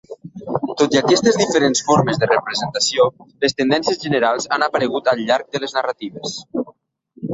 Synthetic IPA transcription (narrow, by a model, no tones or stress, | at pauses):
t̪ot̪iakɛst̪əzðifəɾensfoɾməzðərəpɾəzənt̪asiolest̪ənd̪ɛnsiəzʒənəɾalˠzanapəɾəɣ̞ut̪əlˠʎaɾk̚d̪ələznərat̪iβ̞es